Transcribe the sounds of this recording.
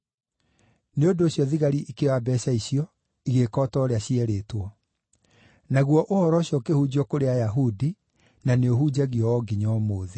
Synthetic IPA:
neondoːɕjɔðiɣaɾiʔikewabɛɕaiɕiɔ | iɣekɔːtɔɾeaɕiɛɾeːtwɔ | naɣwɔʔohɔɾɔɕɔkehud͡ʑiɔkoɾeajaɦudi | naneohud͡ʑaɣiɔwɔɡiɲɔmoːðe

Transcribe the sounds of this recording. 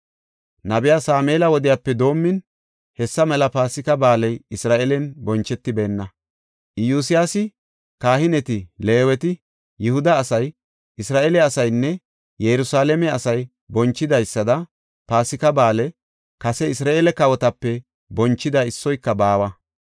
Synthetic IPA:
nɐbɪjaːsaːmeːlɐwɔd̪ɪjaːpːɛd̪o̞ːmːɪn | hɛsːɐmɛlɐpaːsɪkɐbaːlɛjɪsɾaːʔɛlɛnbɔnt͡ʃːɛt̪ːɪbe̞ːnːɐ | ʔɪjuːs̬ɪjaːsɪ | kaːhɪnɛt̪ɪle̞ːwɛt̪ɪ | jɪhʊd̪ɐːsɐj | ʔɪsɾaːʔɛlɛɐsɐjnːɛ | jɛɾʊsaːlɛmɛɐsɐj | bɔnt͡ʃːɪd̪ɐjsːɐd̪ɐ | paːsɪkɐbaːlɛ | kɐsɛɪsɾaːʔelɛkɐwɔt̪ɐpːɛ | bɔnt͡ʃːɪd̪ɐɪsːɔjkːɐbaːwɐ

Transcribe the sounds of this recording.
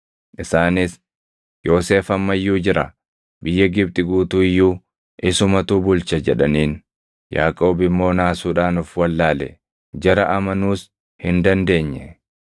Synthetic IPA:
ʔɪsaːnɪs | jo̞ːse̞ːfɐmːɐjːuːd͡ʒɪɾʔɐ | bɪjːɐɡɪb̚t̪ʼɪɡuːt̪uːɪjːuː | ʔɪsʊmɐt̪uːbʊlt͡ʃɐd͡ʒɛᶑɐniːn | ja̰ːkʼo̞ːbɪmːo̞ːnaːsuːᶑaːnʊfwɐlːaːlɛ̰ | d͡ʒɐɾɐʔɐmɐnuːs | hɪnd̪ɐnd̪e̞ːɲːɛ

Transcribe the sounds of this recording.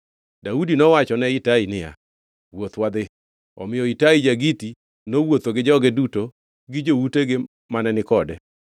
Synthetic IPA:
daudinɔwat͡ʃɔnɛitainɪja̰ | wot̪wad̪ɪ | ɔ̰mɪjɔitaid͡ʒaɡiti | nowot̪oɡɪd͡ʒɔɡɛduto | ɡɪd͡ʒouteɡɪ | manɛnɪkɔdɛ

